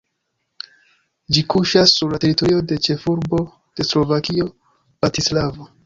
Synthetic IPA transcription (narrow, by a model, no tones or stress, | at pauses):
d͡ʒikuʃasːuɾlate̞ɾito̞ɾio̞de̞t͡ʃe̞fuɾbo̞ | d̥e̞slo̞vakio̞ | b̥ɾatislavo